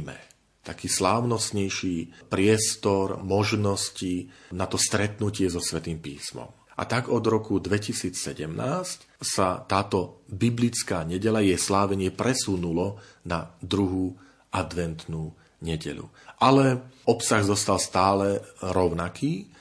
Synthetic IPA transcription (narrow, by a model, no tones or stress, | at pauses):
mɛ̰ | t̪akiːslaːʊnɔsɲɛjʃipɾɪɛst̪ɔɾmɔʒnɔscinat̪ɔst̪ɾɛt̪nucɪɛzɔsʋɛt̪iːmpiːsmɔ̰m | ʔa̰t̪aɡɔd̪ɾɔkud̪ʋɛcisiːt͡ssɛɟɛmnaːsc | sat̪aːt̪ɔbiblit͡skaːɲɛɟɛʎajɛjslaːʋɛɲɪɛpɾɛsunulɔ | nad̪ɾuɦuː | ʔad̪ʋɛnt̪nu | ɲɛɟɛ̰lṵ | ʔalɛɔpsaɣzɔst̪alst̪aːlɛɾɔʊnakiː